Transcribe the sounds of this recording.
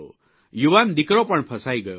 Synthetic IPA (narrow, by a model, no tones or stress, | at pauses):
o | juwand̪ikɾɔpəɳpʰəsajɡəjo